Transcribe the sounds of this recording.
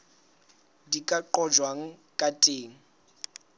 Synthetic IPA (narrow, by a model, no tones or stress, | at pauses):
dikʼaǃɔd͡ʒwaŋ̩kʼatʼeːŋ̩